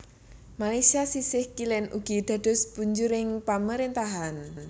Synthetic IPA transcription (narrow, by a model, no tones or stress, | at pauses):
malajsiasisɪhkilɛnʔuɡ̥i̤d̪̥a̤d̥ɔ̤sb̥uɲd͡ʒʊɾɪŋpaməɾint̪aɦan